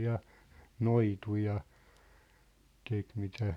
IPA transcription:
jɑ noitu jɑ tek mitæ

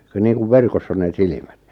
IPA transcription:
ku niːŋkuʋ ʋerkosː on neˑ silimæt

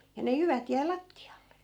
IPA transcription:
jɑ ne jyʋæt jæi lɑtːiɑlːe

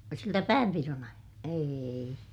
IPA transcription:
siltæ pæːmpiron ɑijɑ eːi

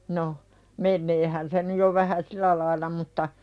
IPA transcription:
no menːeːhæn se nyj jo ʋæhæ silæ lɑilˑɑ mutːɑ

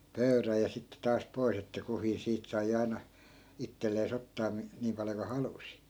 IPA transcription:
pøy̞ræj jɑ sitːe tɑːs pois etːæ kuhiː siːt sɑi ɑi̯nɑ itːelːeːs otːɑː mi niːm pɑljo ku hɑlusi

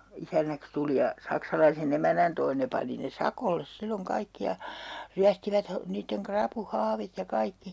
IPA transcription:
isænːæks tuli jɑ sɑksɑlɑisen emænæn toi ne pɑni ne sɑkolːes silːoŋ kɑikːi jɑ ryæstiʋæt hɑ niːtːeŋ krɑpuhɑːʋit jɑ kɑikːi

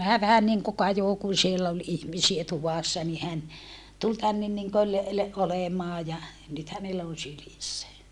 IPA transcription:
hæː ʋæhæn niŋku kɑjoˑ kun̞ sielː ol ihmisie tuʋɑˑsːɑ ni hæn tul tænːen niŋkøl le olemɑː jɑ nyt hænelːæ on̞ sylisːæ

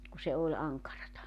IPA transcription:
ku se olʲ ɑŋkɑrɑtɑ

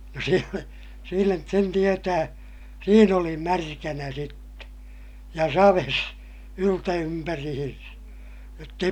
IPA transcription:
no sielæ siːnæ sen tietæː siːn oli mærkænæ sitːe jɑ sɑʋes yltæympærihinsæ jotː ei

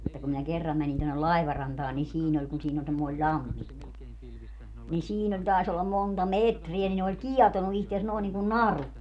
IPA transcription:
etːæ kum minæ kerːɑm mænin tonːel lɑi̯ʋɑrɑntɑːn ni siːn olʲ kun siːn olʲ semːoi̯lʲ lʲɑmːikːo nin siːn olʲ tɑˑes olːɑm montɑ metriæ ni ne olʲ kiɛtonu ihtes noˑin niŋkun nɑru

